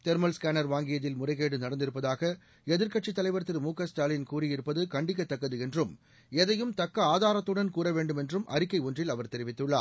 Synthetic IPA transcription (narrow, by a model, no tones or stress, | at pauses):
t̪ɛɾmɐlskaːnɐɾʋaːŋɡɪjɐðɪlmʊrɐɪɣeːɽɯnɐɽɐnd̪ɪɾɯpːɐðaːɣɐ | ɛðɪɾkɐʈt͡ʃit̪ːɐlɐɪʋɐɾt̪ːɪɾmuːkːɐsʈaːlɪnkuːrɪjɪɾɯpːɐðɯkɐɳɖɪk̬ːɐt̪ːɐkːɐðɯɛndrɯm | ɛðɐjɯmt̪ɐkːɐaːðaːɾɐt̪ːɯɽɐnkuːɾɐʋeːɳɖɯmɛndrɯmʔɐ̰ɾɪkːɐɪɔndrɪlɐʋɐɾt̪ɛɾɪʋɪt̪ːɯɭːa̰ːɾ